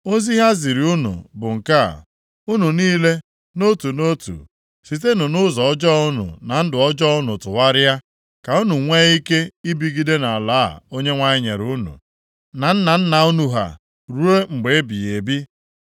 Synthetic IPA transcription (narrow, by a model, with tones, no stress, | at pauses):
o˦zi˦ɦa˦zi˨ɾi˨u˦nṵ˨bʊ˨ŋ̩˨ka̰˦˨ | u˦nu˨niː˦le˦ | no˦tu˨no˦tṵ˨ | si˨t̬e˦nʊ˨nʊ˦zɔ˨ɔ˦d͡ʒɔ˦ʊ˦nʊ̰˨na˨n̩˦dʊ˨ɔ˦d͡ʒɔ˦ʊ˦nʊ˨tʊ˨wa˦ɾɪ˦ja˦ | ka˨u˦nu˨ŋʷe˦i˦ke˦i˦bi˦ɡi˦de˦na˨a˨la̰ː˦˨o˦ɲe˦ŋʷa˦ɲɪ˦ɲḛ˨ɾu˦nṵ˨ | na˨n̩˦na˨n̩˦na˨u˦nu˨ɦa̰˨ | ɾu˦e˦ŋ͡m̩˨ɡ͡be˨e˦bḭ˨e˨bi˦